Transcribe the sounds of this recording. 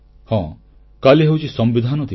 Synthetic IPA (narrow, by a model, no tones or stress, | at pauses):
hɔ̃ | kaliɦewt͡ʃʰisɔmbid̪ʱanɔt̪i